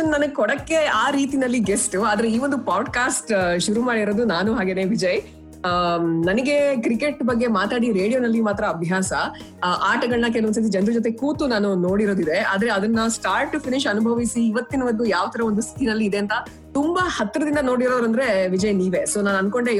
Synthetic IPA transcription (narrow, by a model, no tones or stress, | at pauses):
ɐnɐnɐɡekɔɽɐkːe̞aːɾiːt̪inɐlːiɡesʈaːd̪ɐɾeiːʋond̪upaːɖkaːsʈʃuɾumaːɽiɾoːd̪unaːnuɦaːɡeːne̞ʋid͡ʒɐj | nɐnɐɡe̞kɾike̞ʈbɐɡːe̞maːt̪aːɽiɾe̞ːɽijo̞nɐlːimaːt̪ɾɐːbʱjaːsɐ | aːʈɐɡɐɭnɐk̬eluɐnsɐt̪̬id͡ʒɐnd̪ɾud͡ʒot̪̬e̞kuːt̪unaːnuno̞ːɽiɾo̞ːd̪id̪e̞a̰ːd̪ɐɾe̞ɐd̪ɐnːɐsʈaːɾʈːupʰiniʃɐnubʱɐʋisiːʋɐt̪ːinɐʋɐnd̪ujaːʋɐt̪ʰɐɾɐʋond̪ust̪ʰi̥t̪inɐlːiːd̪e̞ɐnt̪ɐ | t̪umbɐhɐt̪ːɾɐd̪ind̪ɐno̞ːɽiɾoːɾɐnd̪ɐɾe̞ʋid͡ʒɐjniːʋe̞so̞ːnaːnɐnko̞ɳɖe